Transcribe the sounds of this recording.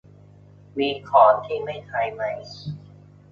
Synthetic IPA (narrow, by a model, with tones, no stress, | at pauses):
wiː˧kʰɔː˩˦nt̪ʰiː˥˩ma˥˩jt̪ʰaː˧jma˥˩j